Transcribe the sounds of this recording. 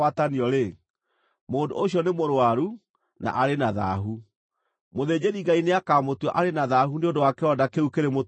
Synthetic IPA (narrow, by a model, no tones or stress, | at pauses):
wataniɔɾe | moːndo̰oɕiɔnemoɾwaɾu | na̰ʔaɾenaða̰ɦu | moðeːd͡ʑeɾiɡaineakamotwɔʔaɾenaðaɦuneondowakɛɔdakeukeɾemo